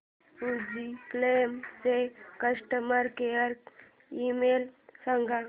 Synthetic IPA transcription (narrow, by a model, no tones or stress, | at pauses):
ud͡ʒiklemsekəsʈəməɾkeəɾk | imelsəŋɡʱa